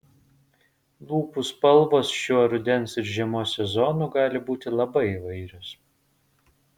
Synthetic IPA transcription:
lˠuːpuspɐlˠʋoːsʃuɔɾʊd̪ʲɛnsɪɾʒʲiɛmoːsʲɛzɔnuːɡɑːlʲɪbuːt̪ʲɪlˠɐbɐɪiʋɐɪɾʲoːs

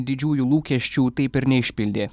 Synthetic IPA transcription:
d̪ʲɪd͡ʒʲuːjulˠuːkʲɛʃʲt͡ʃʲuːt̪ɐɪpɪɾnʲɛɪʃʲpʲɪlʲd̪ʲeː

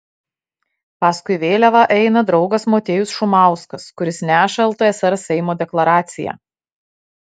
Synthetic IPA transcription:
pɑːskʊɪʋʲeːlʲɛʋɐʔɛɪnɐd̪ɾɒʊɡɐsmoːt̪ʲeːjʊsʃʊmɑˑʊskɐskʊɾʲɪsnʲæːʃɐlˠt̪oːɛsɛɾsʲɛɪmoːd̪ʲɛklˠɐɾɑːt̪sʲɪjæ̰ː

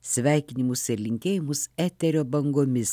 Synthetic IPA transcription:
sʲʋʲæˑɪkʲɪnʲɪmʊsɪɾlʲɪŋʲkʲeːjɪmʊsæːt̪ʲɛɾʲoːbɐŋɡoːmʲɪs

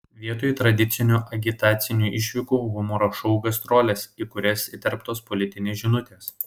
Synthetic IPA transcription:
ʋʲiɛt̪oːt̪ɾɐd̪ʲɪt̪sʲɪnʲuːʔɐɡʲɪt̪ɑːt̪sʲɪnʲuːʔɪʃʲʋʲɪkuːɣʊmoːɾoʃɔʊɡɐst̪ɾoːlʲɛsiːkʊɾʲɛsɪt̪ʲɛɾpt̪oːspɔlʲɪt̪ʲɪnʲesʒʲɪnʊt̪ʲeːs

